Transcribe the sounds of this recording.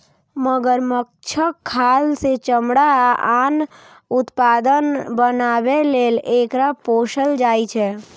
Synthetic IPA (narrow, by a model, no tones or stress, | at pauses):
məɡəɾmək̚t͡ʃʰəkʰːalset͡ʃəmɽaan | ut̪pad̪ənbənabelelekɾapoʃəld͡ʒajt͡ʃʰɛ